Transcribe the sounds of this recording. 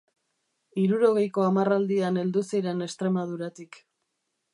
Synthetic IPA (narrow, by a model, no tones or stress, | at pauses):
iɾuɾo̞ɣe̞jko̞amarald̪iane̞ld̪usiɾe̞ne̞st̪ɾe̞mað̞uɾat̪ik